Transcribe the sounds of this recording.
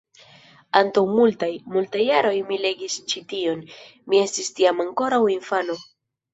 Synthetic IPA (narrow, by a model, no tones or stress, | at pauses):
antawmultajmultajːaɾo̞jmile̞ɡist͡ʃitio̞nmie̞stistiamaŋko̞ɾawinfano̞